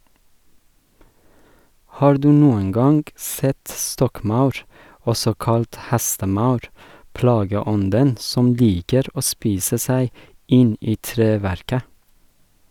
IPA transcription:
ˈhɑːɾ ˈdʉː ˈnuːəŋ ˈɡɑŋɡ ˈsɛt ˈstɔkˌmɑʉɾ ˈɔsɔ ˈkɑlt ˈhæstəˌmɑʉɾ ˈplɑːɡəˌɔndən ˈsɔm ˈliːkəɾ ˈoː ˈspiːsə ˈsæɪ ˈɪn ˈiː ˈtɾeːˌʋæɾkə

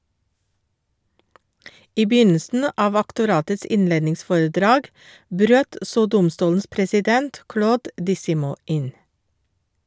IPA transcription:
ˈiː ˈbjʏnəsn̩ ə ˈʔɑːʋ ɑktʊˈɾɑːtəs ˈɪnˌleːdnɪŋˌsfoːɹəˌdɾɑːɡ ˈbɾøːt ˈsoː ˈdʊmˌstuːln̩s pɾɛsɪˈdɛnt ˈkɽoːd dɪˈsɪmuː ˈʔɪn

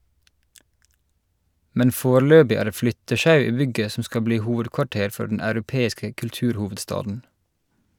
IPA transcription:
ˈmɛn ˈfoːˌɭøːbɪ ˈæː ˈɾeː ˈflʏtəˌʃɑʉ ˈiː ˈbʏɡə ˈsɔ ˈskɑ ˈbliː ˈhuːʋədkʋɑˌʈeːɾ ˈfɔ ɖɳ̩ ɑʉɾʊˈpeːɪskə kʉlˈtʉːɾˌhuːʋədˌstɑːdn̩

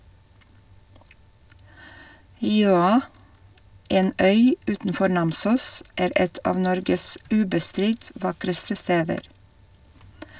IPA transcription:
ˈjøːɑ ˈeːn ˈœʏ ˈʉːtn̩ˌfɔɾ ˈnɑmsuːs ˈeːɾ ˈɛt ˈɑːʋ ˈnɔɾɡəs ˈʉːbəˌstɾɪt ˈʋɑkɾəstə ˈsteːdəɾ

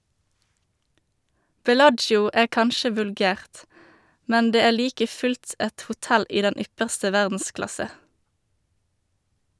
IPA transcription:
bɛˈlɑd͡ʒjʊ ˈæː ˈkɑnʃə ʋʉlˈɡæːʁt ˈmɛn ˈdeː ˈeː ˈliːkə ˈfʉlt ˈɛt hʊˈtɛl ˈiː ˈdɛn ˈʏpəʁstə ˈʋæʁdn̩ˌsklɑsə

